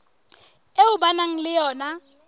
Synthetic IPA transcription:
euɓanaŋ̩lɪjɔːna

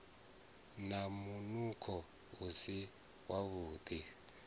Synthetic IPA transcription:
namunukʰɔ | usi | waβuːdi

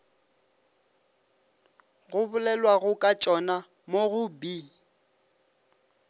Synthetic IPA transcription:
ɣʊbʊlɛlwaɣʊkʼat͡ʃʼɔna | moɣʊbiː

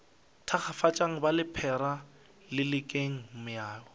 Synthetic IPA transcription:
tʰaχʰafat͡ʃʼaŋ̩balɪpʰɛɾa | lɪlɪkʼeŋ̩mʊjaːɔ

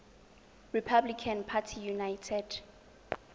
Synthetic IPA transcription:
ɹipʰablikʰãnpʰatʰijunajtʰɛd̥

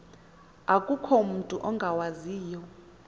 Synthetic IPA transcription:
akʼukʰɔmutʼuʔɔŋɡʱawaziːjɔ

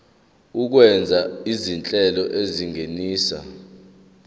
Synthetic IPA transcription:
uk̬wɛnd͡zʱaizint͡ɬʼɛlɔʔeziŋʱeniːsa̰

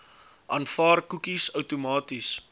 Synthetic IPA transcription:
ʔɑːnfɑːrkukisəwtumɑːtis

